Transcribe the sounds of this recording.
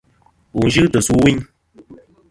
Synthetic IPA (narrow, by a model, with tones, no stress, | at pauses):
u˨n̩˦ʒɨ˦tə˨su˦wi˦ɲ